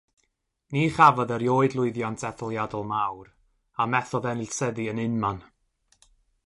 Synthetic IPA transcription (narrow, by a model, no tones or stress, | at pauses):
niːχavɔðəɾjoːɨdlˠʊɨðjantʰɛθɔlˠjadɔlˠmawɾ | amɛθɔðɛnɪlsəðiənɪnman